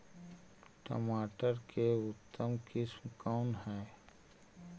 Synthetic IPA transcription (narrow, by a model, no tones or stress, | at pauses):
ʈə̰maːʈəɾkʰeʊt̪ːəmkɪsmkaʊnɦɛː